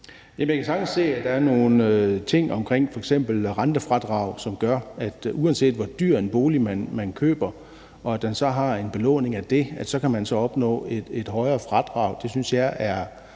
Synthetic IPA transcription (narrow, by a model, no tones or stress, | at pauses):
jæmjakʰæsɑ̈ɡ̥n̩se̝̰ːæd̥ɑ̈æɐno̝ːn̩t͡sʰe̝ŋ̰ɒ̽mkʰʁeŋ̰fɒ̽eɡ̥sem̰b̥l̩ʁɑnd̥əfʁɑd̥ʁɑ̈ʊ̰sɒ̽mɡ̥ɶɐæd̥ʔuænse̝̰ːd̥ʋɒd̥yɐ̰enb̥o̝ːlimænmænkʰø̰ːb̥ɐ | ɒ̽æd̥ensɒ̽ɦɑ̈e̝nb̥e̝lɔ̰̽ːne̝ŋæd̥e̝æd̥sɒ̽kʰæmænsɒ̽ɒ̽b̥nɔ̰̽ːed̥e̝d̥ɦɒ̽ɪɐːfʁɑd̥ʁɑ̈ʊd̥e̝synsjɑ̈ɪæɐ